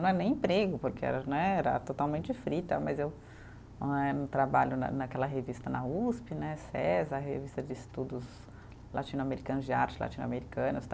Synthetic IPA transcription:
nɐ̃w̃ɛnẽj̃ĩpɾeɡʊpoɾkeɛ̰ɾɐnɛɛɾɐ̰t̪ot̪awmẽnt͡ʃɪfɾit̪ɐmɐzew | ɛnt̪ɾabaʎʊnɐ̰nɐkɛlɐɦevist̪ɐnɐuspɪnɛsɛzɐɐɦevist̪ɐd͡ʒɪist̪ud̪ʊz | lʔat͡ʃĩnʊameɾikɐ̃nʊzd͡ʒɪaɾt͡ʃɪ̥la̰t͡ʃĩnʊa̰meɾikɐ̃nʊst̪

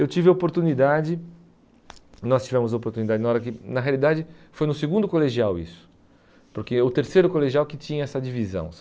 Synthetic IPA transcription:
ewt͡ʃivɪopoɾt̪unid̪ad͡ʒɪ | nɔst͡ʃivɛ̃mʊzɐopoɾt̪unid̪ad͡ʒɪnɐɔɾɐkɪnɐɦealid̪ad͡ʒɪfojnʊseɡũnd̪ʊkoleʒiawḭsʊ̥ | poɾkɪʊt̪eɾsejɾʊkoleʒiawkɪt͡ʃĩɲɐɛsɐd͡ʒivizɐ̰̃w̃

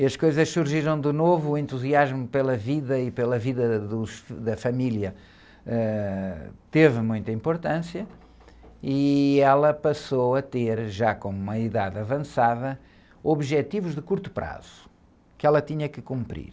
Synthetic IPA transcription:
ɐʃkojzɐʃsuɾʒiɾɐ̃w̃d̪ɨnovuːẽnt̪uziaʒmupelˠɐviðɐipelˠɐviðɐðuʃd̪ɐfɐmilˠjɐ | ɛ | t̪evmũj̃t̪ɐĩmpuɾt̪ɐ̃sjɐ | iɛlˠɐpɐsowɐt̪eɾʒakõumɐiðaðɐvɐ̃saðɐ | oβʒɛt̪ivuʒðɨkuɾt̪u̥pɾa̰z̥u | kɛlˠɐt̪iɲɐkɨkũmpɾḭɾ

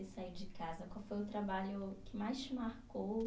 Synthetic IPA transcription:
ɪsaiɾd͡ʒɪkazɐkwawfojʊt̪ɾabaʎʊkʰɪmajʃmaɾkow

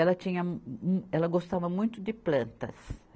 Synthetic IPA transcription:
ɛlɐt͡ʃ̪ĩɲɐ | ɛlɐɡost̪avɐmũj̃t̪ʊd̪ɪplɐ̃nt̪ɐ̰s

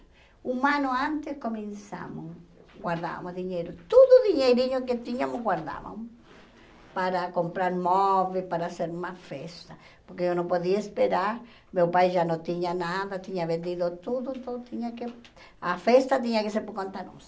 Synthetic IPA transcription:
umãnoãnt̪eskomẽnsa̰mo | ɡwaɾða̰βa̰moðiɲejɾot̪oðoðiɲejɾiɲoket̪iɲamoɡwaɾða̰βa̰mo | paɾakompɾaɾmoβepaɾaseɾumasfest̪a | poɾkeonõmpoðiaespeɾaɾ | mewpajʒanõt̪iɲanaðat̪iɲaβẽnd̪iðot̪uðont̪ot̪iɲake | afest̪at̪̬iɲakeseɾpokõnt̪ano̰s

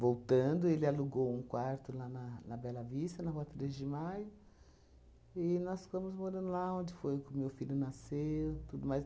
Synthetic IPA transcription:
vowt̪ɐ̃nd̪ʊelɪaluɡowũkwaɾt̪ʊlanɐnɐbɛlɐvist̪ɐnɐɦuɐt̪ɾezd͡ʒɪmajʊ | ɪnɔsfõmʊzmoɾɐ̃nd̪ʊlaõnd͡ʒɪfojʊkɪʊmewfilʲʊnasewt̪ud̪ʊmajs

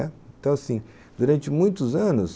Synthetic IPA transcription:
ɛẽt̪ɐ̃w̃asĩ | d̪̥uɾɐ̃nt͡ʃɪmũj̃t̪ʊzɐ̃nʊs

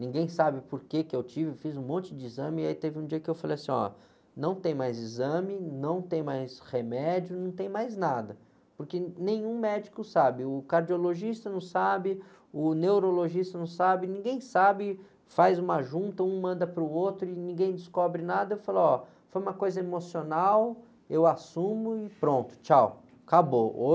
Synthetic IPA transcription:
nĩŋɡẽj̃sabɪpoɾkekɪewt͡ʃivɪwfizũmõnt͡ʃɪd͡ʒɪizɐ̃mɪait̪evɪũd͡ʒiɐkɪewfalejɐsĩɲɔ̰ | nɐ̃w̃t̪ẽj̃majzizɐ̃mɪnɐ̃w̃t̪ẽj̃majshemɛd͡ʒiʊnɐ̃w̃t̪ẽj̃majznad̪ɐ | pʊɾkenẽj̃ũmɛd͡ʒikʊsabɪʊkaɾd͡ʒioloʒist̪ɐnɐ̃w̃sabɪ | ʊnewɾoloʒist̪ɐnɐ̃w̃sabɪnĩɡẽj̃sabɪ | fajzũmaʒũt̪ɐũmɐ̃nd̪ɐpɾʊowt̪ɾʊɪnĩɡẽj̃d͡ʒɪskɔbɾɪnad̪ɐewfalɔ | fojũmɐkojzɐemosionaw | ewasũmʊɪpɾõnt̪ʊ̥t͡ʃaw | kaboo

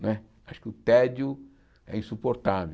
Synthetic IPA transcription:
nɛ | aʃʊ̥kɪʊt̪ɛd͡ʒʊ | ɛ̰ĩsupoɾt̪ave

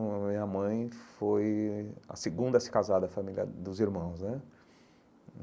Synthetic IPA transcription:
mĩɲɐmɐ̃j̃fojɐ̰seɡũnd̪ɐsɪ̥kazad̪ɐfamilʲjɐ̰d̪ʊziɾmɐ̃w̃znɛ

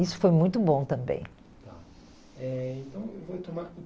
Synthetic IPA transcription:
isʊ̥fojmũj̃t̪ʊbõt̪ɐ̃mbḛ̃j̃ | t̪a | ɛẽt̪ɐ̃w̃ewvowt̪omaɾk

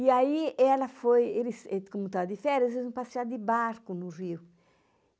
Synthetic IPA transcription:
iaiɛlɐfojelisɛkomut̪ɔd̪ifɛɾjɐselznũpasiad̪ɪbaɾkunuriw

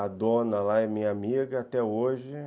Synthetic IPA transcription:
ad̪õnɐlaɛmĩɲɐamiɡɐat̪ɛoʒɪ

